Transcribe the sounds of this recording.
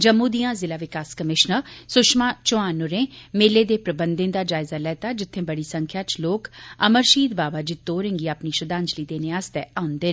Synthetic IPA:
d͡ʒəmːũːd̪ijãːzɪlaːʋɪkaːskəmɪʃnəsʊʃmaːt͡ʃʊaːnːʊɾẽːmeːleːd̪eːpɾəbənd̪ɪ̃nd̪aːd͡ʒaːɪzaːlɛːt̪aːd͡ʒɪt̪ʰːẽːbəɽiːsə̃ŋkʰjaːt͡ʃloːkə̰məɾʃiːd̪baːbaːd͡ʒiːt̪oːɾɪ̃ŋɡiːapniːʃəd̪ãːɲd͡ʒliːd̪eːneaːst̪ɛːaːʊnd̪eːn

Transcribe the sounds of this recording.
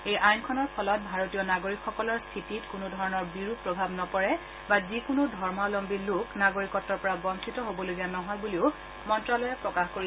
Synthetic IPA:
ejʔajnkʰɔnɔɹpʰɔlɔt̚bʱaɹotijɔnaɡoɹikxːɔkɔlɔɹstʰititkunʊdʱɔɹɔnɔɹbiɹupːɹɔbʱabnɔpɔɹɛ | bazikʊnodʱɔɹmalɔmbiluknaɡoɹikɔtːɔɹpɔɹabɔntʰitɔɦobɔloɡianɔɦɔjbuliʊ | mɔntɹalɔjɛpɹɔkaxkoɹi

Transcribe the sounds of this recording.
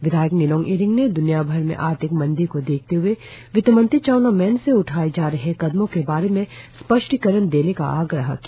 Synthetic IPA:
ʋɪd̪ʱaːjəknɪlɔ̃ːŋʔiːɾɪ̃ŋɡned̪ʊnijabʱəɾmḛ̃ʔaːɾt̪ʰɪkmɐ̃nd̪ɪɾkod̪eːk̚ʰt̪eɦʊeʋɪt̪mə̃nt̪ɾit͡ʃaːʊnamɛːnseʊʈʰaːed͡ʒaːɾɐɦekɐd̪mõkebaːɾemẽspəʃʈkəɾənd̪eːneka̰ʔaːɡɾəɦkː

